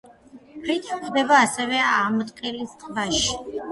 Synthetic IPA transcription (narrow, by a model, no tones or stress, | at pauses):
pʰɾit̪ʰχʰd̪ɛbaːsɛvɛamɔt̪ʼqʼɛlistʼvaʃi̥